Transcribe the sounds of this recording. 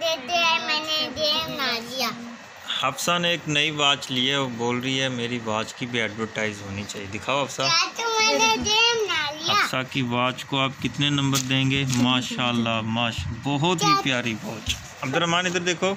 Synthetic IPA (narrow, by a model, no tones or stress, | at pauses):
d̪eːt̪eɦɛmɛːned̪eːmnaːlijaː | hɐfsaneeːknɐiʋaːt͡ʃlieɔːɾboːlɾəɦiɦɛmeːɾiʋaːt͡ʃkibʱiɛːɖʋəɾʈaːɪzɦoːnit͡ʃaːɦied̪ɪkʰaːoɦɐfsaat̪omɛːned̪eːmnaːlijɐaːsakiʋaːt͡ʃkoaːpkɪt̪nenɐ̃mbəɾd̪ẽːŋɡeːmaːʃaːlːamaːʃbɔɦʊt̪ɦipjaːɾiʋaːt͡ʃ | ɐbd̪əɾɐɦmaːnɪd̪əɾd̪eːkʰoː